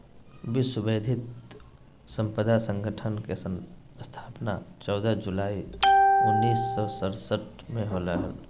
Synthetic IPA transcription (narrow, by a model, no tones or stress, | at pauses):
bɪsʊbeːd̪ʱɪt̪ | sə̃mpəd̪asə̃ŋɡʱəʈʰənke | st̪ʰaːpnat͡ʃɔːd̪əd͡ʒulaːiʊnːiːsːɔsəɾsəʈ | mẽɦoləɦəl